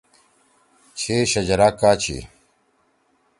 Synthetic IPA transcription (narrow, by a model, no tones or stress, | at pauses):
t͡ɕʰeːɕɐd͡ʑɐɾaːkaːt͡ɕʰḭː